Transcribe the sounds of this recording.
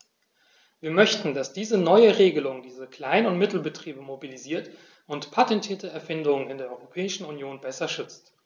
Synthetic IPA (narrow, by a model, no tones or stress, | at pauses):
viːɐmœçtn̩dasd̥iːzənɔʏəʁeːɡəlʊŋdiːzəkl̥aɪnʊntmɪtl̩bətʁ̥iːbəmobiliziːɐt | ʔʊntpʰatɛntʰiːɐtəɛɐfɪndʊŋənɪndeːɐɔʏʁopʰɛːɪʃn̩unjoːnbɛsɐʃʏt͡st